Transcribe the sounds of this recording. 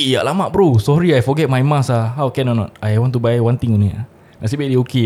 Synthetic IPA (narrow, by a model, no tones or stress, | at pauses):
ija̰ʔlamaʔbɾusɔɾiajfɔɡɛt̚majmãsaɦawkɛ̃nanɔ̰t̚ajwɔ̃nt̪ubajwãnt̪ɪŋunia̰ | nasibeʔdioke